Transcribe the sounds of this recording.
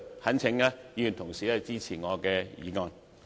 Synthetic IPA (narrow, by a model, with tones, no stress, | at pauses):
hɐ˨˥nt͡sʰɪ˨˧˥ŋaː˧ji˨˧jy˨nt̪ʰʊ˨˩ŋsiː˨lɛː˧˩t͡siː˥t͡sʰiː˨˩ŋɔː˨˧kɛː˧jḭː˨˧ŋɔː˨˧n